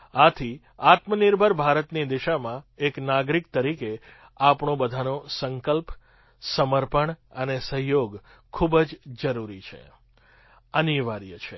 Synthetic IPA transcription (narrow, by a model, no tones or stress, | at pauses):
at̪ʰi | at̪məniɾbʱəɾbʱaɾət̪nid̪iʃamãeknaɡɾik̚t̪əɾike | apɳõbəd̪ʱanosəŋkəlp | səməɾpəɳənesəɦjoɡ | kʰːubəd͡ʒd͡ʒəɾuɾit͡ʃʰḛ | əniʋaɾjət͡ʃʰḛ